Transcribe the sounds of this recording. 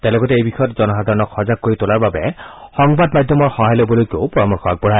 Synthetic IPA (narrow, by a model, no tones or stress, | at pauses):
t̪alɔɡɔteejbixʰɔjɔtzɔnɔsad̪ʱaɹɔnɔkʰɔzakːoɹitolaɹbabɛxɔŋbadmad̪ʱjɔmɔɹxɔɦajlobɔlojkeeʊpɔɹɔmɔɹxʰɔak̚bɔɽ̤ʱa